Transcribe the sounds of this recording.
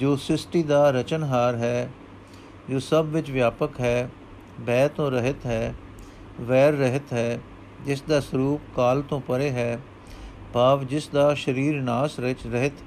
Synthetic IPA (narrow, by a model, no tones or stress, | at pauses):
d͡ʒoːsɪsʈiːd̪aːɾət͡ʃənɦaːɾɦɛː | d͡ʒoːsəbʋɪt͡ʃʋjaːpəkɦɛː | bɛːt̪õːɾəɦɪt̪ɦɛː | ʋɛːɾːəɦɪt̪ɦɛː | d͡ʒɪsd̪aːsəɾuːp̚kaːlt̪õːpəɾeːɦɛː | bʱaːʋd͡ʒɪsd̪aːʃəɾiːɾnaːsɾɪt͡ʃɾəɦɪt̪ː